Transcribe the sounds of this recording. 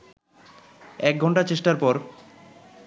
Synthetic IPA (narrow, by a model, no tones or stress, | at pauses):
ɛk̚ɡʱɔɳʈat͡ɕeʃʈaɾpɔɾ